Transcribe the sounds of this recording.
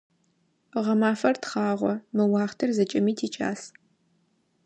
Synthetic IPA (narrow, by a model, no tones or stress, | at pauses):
ʁɐmaːfɐrtχɑːʁʷɔmɨwɑːχtʰɨrzɐt͡ʃʼɪmiːtʰiːt͡ʃʼa̰ːs